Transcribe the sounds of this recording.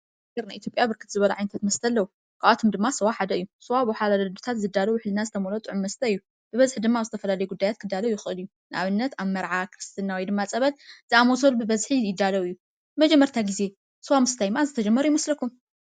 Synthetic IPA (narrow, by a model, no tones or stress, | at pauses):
ɡɐɾnaʔit̪jopʼjabɨɾkʰɨ̥t̪zɨβɐla̰ʕajnɐt̪ʰat̪mɐst̪ʰɐlːɐwu | kʰaʔat̪ʰomd̪ɨmːasɐwaħad̪ɐʔɨjːusɐwabħalad̪d̪ut̪ʰat̪zɨd̪ːalɐwħlɨnazɨt̪ʰɐmolot̪ʼɨʕʊmmɐst̪ʰɐɨjːu | b̥ɨβɐzħid̪ɨmːaβzɨt̪ʰɐfɐlalɐjuɡud̪ːajat̪̚kʰɨd̪ːalɐwujɪxɨʔɨlɨju | nɨʔa̰βɨnːɐt̪aβmɐɾʕakʰɾɨst̪ʰɨnawɔjd̪ɨmːat͡sʼɐβɐlzɨamosolbɨbɐzħijɪd̪ːalɐwɨjːu | mɐd͡ʒɛmːɐɾt̪ʰaɡize̞ | sɐwamɨst̪ʰajmazɨt̪ʰɐd͡ʒɐmːɐɾujɪmɐslɐkʰːum